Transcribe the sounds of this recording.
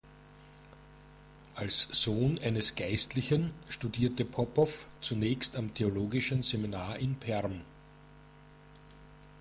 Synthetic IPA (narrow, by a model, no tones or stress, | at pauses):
ʔalsz̥oːnʔæɪnəsɡ̥æɪstlɪçənʃtudiːɐtəpʰɔpʰɔft͡sunɛːçstamtʰeoloːɡɪʃn̩zeminaːɐʔɪnpʰɛɐm